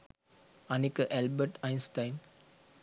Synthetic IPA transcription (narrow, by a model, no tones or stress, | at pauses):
ɐnekəʔælbəʈajɪnsʈajn